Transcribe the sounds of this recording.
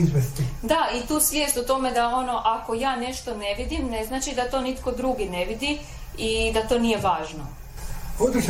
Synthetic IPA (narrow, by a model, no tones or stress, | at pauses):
izʋest̪id̪ait̪uːsʋʲjeːst̪ot̪o̞me̞d̪ao̞no̞ʔako̞jaːne̞ʃt̪o̞ne̞ʋid̪imne̞znat͡ʃid̪at̪o̞nit̪ko̞d̪ɾuɡineʋid̪i | id̪at̪o̞nije̞ʋaːʒno | od̪i